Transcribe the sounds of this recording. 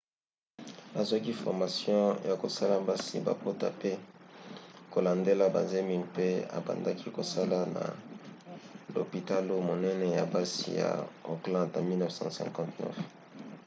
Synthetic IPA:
a˨zwa˦ki˦fɔ˨ʁma˨sjɔ̃˦ja˨ko˨sa˦la˨ba˦sḭ˦ba̰˨po˦ta˦pe˦ | ko˨la˨nde˦la˦ba˨ze˦mi˨mpe˦a̰˨ba̰˨nda˦kʰi˦ko˨sa˦la˦na̰˨ | lo̰˨pi˨ta˦lo˦mo˨nɛ˦nɛ˦ja̰˨ba˦sḭ˨ja̰˨o˨klɑ̃˦dna˨mi˦lnɛ˦fsɑ̰̃˦sɛ̰̃˨kɑ̃˦tnɛ̰˦f

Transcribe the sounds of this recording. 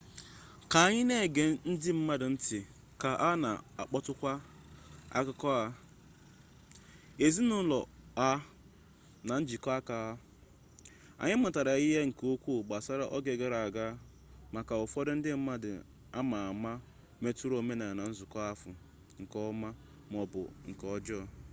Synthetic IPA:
ka˨˦ɲɪ˦ne˦˨ɡe˨n̩˦dɪ˦m̩˦ma˦dɪ˨n̩˦tɪ˨ | ka˨ʔa˦na̰˨a˨k͡pɔ˦tʊ˦kʷa˦ | a̰˦kʊ˦kɔ˦a˦ | e˨zi˦nʊ˦lɔ˨a˦ | na˨n̩˦d͡ʒi˨kɔ˦a˦ka˨a˦ | a̰˨ɲɪ˦m̩˦ʊ˨ta˨ɾa˨i˦ɦe˦ŋ̩˨ko˦kʷu˦˨ɡ͡ba˨sa˦ɾa˦ʔɔ˦ɡe˨ɡe˦ɾa˨a˨ɡa˦ | ma˨ka˨o˨fɔ˦ɾɪ˦n̩˦dɪ˦m̩˦ma˦dɪ˨ | a˦ma˨a˨ma˦ | me˦tu˦ɾo˨me˦na˨na˨n̩˦zʊ˨kɔ˦a˦fʊ˨ | ŋ̩˨kɔ˦ma˦ | m˨ɔ˨bʊ̰˨ŋ̩˨kɔ˦d͡ʒɔ˦˨

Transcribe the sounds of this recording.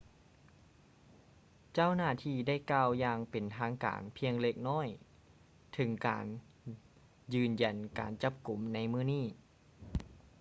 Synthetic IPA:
t͡ɕa˥˩wnaː˥˩t̪ʰiː˧da˥˩jkaː˧˩wjaː˧ŋpe˨˩nt̪ʰaː˧˥ŋka̰ː˨˩npʰi˧əŋle˧˩k̚nɔː˥˩j | t̪ʰɯ˩˦ŋka̰ː˨n | jɯː˧˩nja˨˩nka̰ː˨˩nt͡ɕa˧˥p̚ku˨˩˦mna˧˥jmɯː˥˩˨niː˥˩

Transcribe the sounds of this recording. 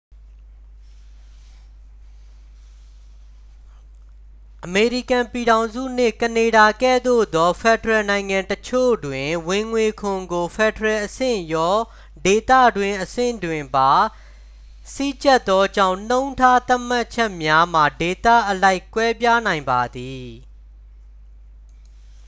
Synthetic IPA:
ʔəme˨ɹi˦˨kã˨pi˨ɾã˨ʊ̃zṵ˦˨n̥ɪ̰˦˨kəne˨ɾa˨kɛ̰˦˨d̪o̰˦˨d̪ɔ˦fʰɛ˨dəɹɛ˨nã˨ɪ̃ŋã˨ntət͡ɕʰo̰˦˨dwɪ̃˨wɪ̃˨ŋwe˨kʰʊ̃˨ŋɡo˨fʰɛ˨dəɹɛ˨ʔəsɪ̰̃˦˨jɔ˦ | de˨t̪ä̰˦˨dwɪ̃˨ʔəsɪ̰̃˦˨ndwɪ̃˨mba˨ | sḭ˦˨t͡ɕɛ˦t̪ːɔ˦d͡ʑã̰˦˨ʊ̃n̥õ˦ʊ̃ntʰa˦t̪a˦m̥a˦ʔt͡ɕʰɛ˦ʔmja˦m̥a˨de˨t̪ä̰˦˨ʔəla˦ɪkwɛ˦pja˦nã˨ɪ̃mba˨d̪i˨

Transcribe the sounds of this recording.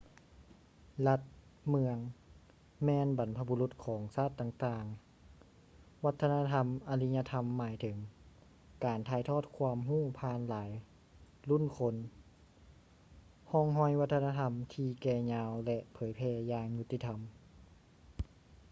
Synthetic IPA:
la˧t̪̚mɯ˧əŋ | mɛː˧nba˨˩npʰa˧bu˧lu˧˦t̪̚kʰɔː˩˦ŋsaː˥˩t̪ːaː˧ŋt̪aː˧ŋ | wa˧˥t̪ʰːa˧na˧t̪ʰa˧mʔa˧li˧˥ɲa˧t̪ʰa˧mːaː˨˩˦jt̪ʰɤ˨˩˦ŋ | kaː˨˩nt̪ʰaː˧jt̪ʰɔː˧˥˩t̪̚kʰwaː˧əmɦuː˥˩pʰaː˧nlaː˩˦j | lu˥˨nkʰo˧n | hɔː˧˩ŋɦɔ˧˩jwa˧˥t̪ʰːnaː˧t̪ʰa˧mt̪ʰiː˧kɛː˧ɲaː˧wlɛ˧ʔpʰɤː˨˦jpʰɛː˧jaː˧ŋɲu˧t̪ʰːiː˧t̪ʰa˧m

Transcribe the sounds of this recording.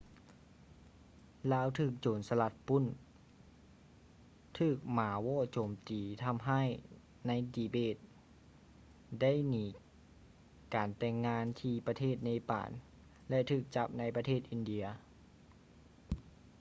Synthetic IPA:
laː˧˥˨wt̪ʰɯː˧˩k̚t͡ɕoː˨˩nsa˧la˧˥t̪̚pu˧˥˨n | t̪ʰɯː˧˩k̚maː˨˦wɔː˧˥˨t͡ɕoː˨˩mt̪iː˨˩t̪ʰa˧˥mɦa˥˨j | na˧˥jdiː˨˩beː˧˥˩t̪̚ | da˥˨jniː˨˩ | kaː˨˩nt̪ɛː˧˩ŋːaː˧˥nt̪ʰiː˧pa˧t̪ʰeː˥˩t̪̚na˧˥pa̰ː˨˩n | lɛ˧t̪ʰɯː˧˩k̚t͡ɕa˧˥p̚na˧˥jpa˧t̪ʰeː˥˩t̪ʔi˨˧˨ndi˧ɐ

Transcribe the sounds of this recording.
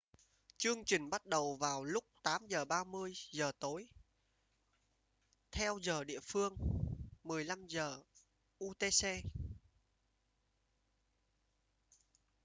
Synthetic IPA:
t͡ɕɨ˧əŋt͡ɕï˨˩ŋ̟ɓa˦˥t̚ɗə˨˩wvaː˨˩wlʊ˦˥k͡p̚t̪aː˨˦mzəː˨˩ɓaː˧mɨ˧əjzəː˨˩t̪o˨˦j | t̪ʰɛ˧wzəː˨˩ɗḭ˧˨əfɨ˧əŋmɨ˨˩əjla˧mzəː˨˩ | ʔu˧t̪e˧se˧

